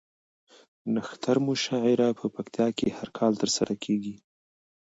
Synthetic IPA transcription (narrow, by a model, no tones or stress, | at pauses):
naxt̪ʰaɾmʊʃɑʕɪɾapʰəpakt̪jɑkehaɾkʰɑlt̪əɾsaɾakʰeɡi